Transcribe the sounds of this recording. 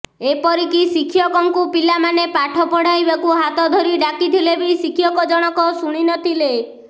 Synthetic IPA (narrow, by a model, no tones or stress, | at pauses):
epɔɾikisikʰijɔkɔŋkupilamanepaʈʰɔpɔɽ̤ajbakuɦat̪ɔd̪ʱɔɾiɖakit̪ʰilebisikʰjɔkɔd͡ʒɔɽ̃ɔkɔsuɽ̃inɔt̪ʰile